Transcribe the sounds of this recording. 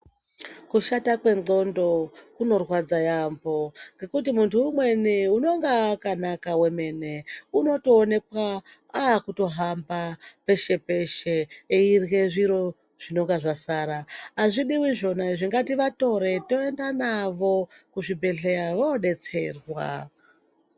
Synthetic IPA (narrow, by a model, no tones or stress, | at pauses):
kuʃatakwe̞ɡo̞ndo̞kuno̞rwad͡zajambo̞ŋɡe̞kut̬imuntʰuumwe̞niuno̞ŋɡakanakawe̞me̞ne̞uno̞to̞ːne̞kwa | aːkuto̞ɦambape̞ʃe̞pe̞ʃeeirɣeʐiɾo̞ | ʐ̥ino̞ŋɡaʐasaɾaːʐiɗiwiʐo̞naʐiŋɡatiʋato̞ɾe̞to̞e̞ndanaʋo̞kuʐibʱe̞ɮe̞ɾaʋoɗe̞t͡se̞̰rwa̰